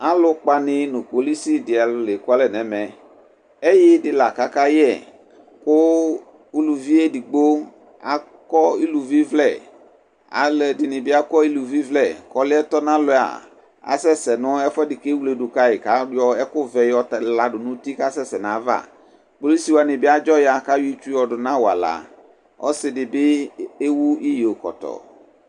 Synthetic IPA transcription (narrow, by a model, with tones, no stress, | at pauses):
a˦lʊ˦k͡pa˨nɪ˦nʊ̃˨k͡po˨li˦si˦dɪ˨a˨lʊ˨le˨kʊ˦a˦lɛ˨nɛ˨mɛ˨ | e˦jɪ˦dɪ˨la˨ka˦ka˦jɛ˦˨ | kʊ˦ | u˦lu˨vi˦e˦di˨ɡ͡bo˦ | a̰˨ | kɔ˦i˦lu˨vi˦vlɛ˨ | a̰˨lɛ˨dɪ˨nɪ̃˨bɪ˦a˦kɔ˦i˦lu˨vi˦vlɛ˨kɔ˨lɪ˦ɛ˦t̪ɔ˦nã˦lʊ˨a̰˨ | a̰˨sɛ˦sɛ˨nʊ̃˦ɛ˦fɛ˦dɪ˨ke˦wu˦le˨ɖʊ˨ka˦ɪ˨ka˨˦ɔ˦ɛ˦kʊ˦vɛ˨jɔ˦tla˨ɖʊ˨nʊ̃˦t̪i˦ka˦sɛ˦sɛ˨nã˨˦va̰˦˨ | k͡po˦le˦si˨wa˨nɪ̃˨bɪ˦a˦d͡ʒɔ˦ja˨ka˦wi˦t͡ʃu˦ɔ˨ɖʊ˨nã˦wa˨la̰˨ | ɔ̰˦sɪ˦dɪ˨bɪ˦e˦wu˦i˦je˨o˨kɔ̰˨t̪ɔ̰˨